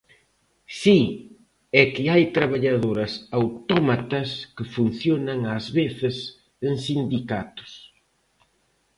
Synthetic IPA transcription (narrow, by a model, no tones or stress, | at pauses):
si | ɛkɪajt̪ɾaβaʎaðoɾɐsawt̪ɔmat̪ɐskɪfun̟θjonɐŋazβeθɪs | eŋsind̪ikat̪ʊ̥s